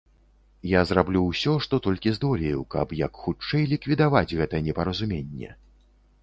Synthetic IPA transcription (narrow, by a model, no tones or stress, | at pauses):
jazrablʲuwsʲɔʂt̪ɔt̪ɔlʲkʲizd̪ɔlʲejukɐ̰pjɐkxut͡ʂɛjlʲikvʲid̪avad͡zʲɣɛt̪ɐjɛnʲɛpɐɾɐzumʲenʲːɛ̰